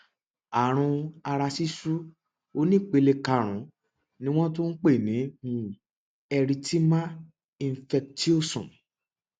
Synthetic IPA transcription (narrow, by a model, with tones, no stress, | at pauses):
a˨ɾ̃ũ˧a˧ɾa˧si˦su˦ | o˦nĩ˦˨k͡pe˧le˧ka˧ɾ̃ũ˨˦ | nĩ˦w̃ɔ̃˦to˦n̩˦k͡pe˦˨nĩ˨˦mũ˧˦ | ɛ˧ɾi˧tʰi˦mã˦ | i˧n˧˨fɛ˧k̚ti˦o˦˨sɔ̰̃˨